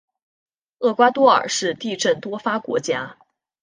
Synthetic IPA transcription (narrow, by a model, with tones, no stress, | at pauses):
ɤ˥˩kwa˥t̪wɔ˥ə̰˞˨˩ʂɻ̩˥˧t̪i˥˧ʈ͡ʂə˥˩nt̪wɔ˥fa˥kwɔ̰˧˥t͡ɕja˥